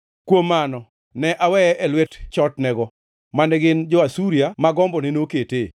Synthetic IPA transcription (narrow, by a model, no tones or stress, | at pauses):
kwomːanɔ | nɛʔawɛʔɛlwɛtt͡ʃɔtnɛɡɔ | manɛɡɪnd͡ʒɔasuɾijamaɡɔmbɔnenokete